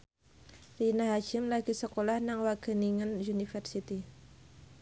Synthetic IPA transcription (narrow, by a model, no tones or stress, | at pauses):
rinaɦat͡ʃɪmlaɡisəkolahnaŋwaɡ̥əniŋənunifərsit̪i